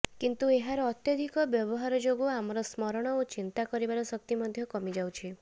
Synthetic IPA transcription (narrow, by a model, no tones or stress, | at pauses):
kint̪ueɦaɾɔːt̪jɔd̪ʱikɔbjɔbɔɦaɾɔd͡ʒoɡoamɔɾɔsmɔɾɔɽ̃ɔot͡ʃint̪akɔɾibaɾɔsɔk̚t̪imɔd̪ʱjɔkɔmid͡ʒawt͡ʃʰi